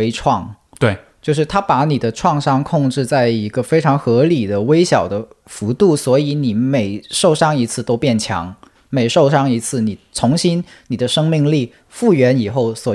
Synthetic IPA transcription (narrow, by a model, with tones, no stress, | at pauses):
e˥ɪʈ͡ʂʰwɑ˥˩ŋ | t̪we˥˩ | t͡ɕjo˥˧ʊʂɻ̩˥˩t̪ʰa˥pa˧˥ni˨˩d̪ə˦ʈ͡ʂʰwɑ˥˧ŋʂɑ˥˧ŋkʰʊ˥˧ŋʈ͡ʂɻ̩˥˧t͡sa˥˩ɪi˧˥ɡə˧fe˥ɪʈ͡ʂʰɑ˧˥ŋxɤ˧˥li˨˩d̪ə˦we˥ɪɕjɑ˨˩ʊd̪ə˦fu˧˥t̪u˥˩swɔ˧˥i˧˥ni˨˩˥me˨˩ɪʂo˥˩ʊʂɑ˥˩ŋi˧˥t͡sʰɹ̩˥˩t̪o˥ʊpjɛ˥˩nt͡ɕʰjɑ̰˧˥ŋ | me˨˩ɪʂo˥˧ʊʂɑ˥ŋi˧˥t͡sʰɹ̩˥˩ni˨˩t͡sʰʊ˧˥ŋɕi˥nni˨˩d̪ə˦ʂɤ˥ŋmi˥˧ŋli˥˩ | fu˥˩ɥɛ˧˥ni˨˩xo˥˩ʊswɔ˨˩